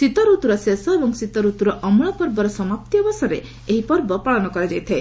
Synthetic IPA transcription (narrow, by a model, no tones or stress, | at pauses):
sit̪ɔɾut̪uɾɔsesɔebɔŋsit̪ɔɾut̪uɾɔʔɔmɭɔpɔɾbɔɾɔsɔmap̚t̪iɔbɔsɔɾe | eɦipɔɾbɔpaɭɔnɔkɔɾad͡ʒajt̪ʰae